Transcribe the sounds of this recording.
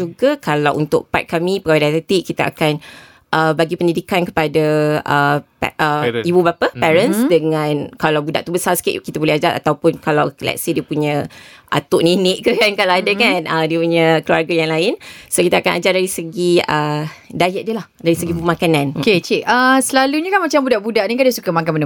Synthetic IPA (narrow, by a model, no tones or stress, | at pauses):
uɡakalawʔṵnt̪ʊ̰k̚pa̰t̪̚kːamĩpəɡawadiat̪ɛt̪iʔkːit̪aʔa̰kan | ʔəbaɡipəndidikankə̥padaəpɛʔəibubapapɛɾənsdəŋãnkalawbuda̰ʔt̪ubəsarsə̥kḭʔkit̪abolɛhad͡ʒaɾʔa̰t̪awpʊnkalawəlɛ̰ksidiəpuɲãʔa̰t̪ʊʔninɪʔkəkankalawadakanədiəpuɲə̃kluarɡajaŋlaɪnsokit̪aakanad͡ʒardaɾisəɡiədajɛʔ̚dəlahdaɾisəɡibumãkananoket͡ʃiʔəsəlaluɲə̃kanmat͡ʃambudaʔbudaʔnikandiəsukamakanmənə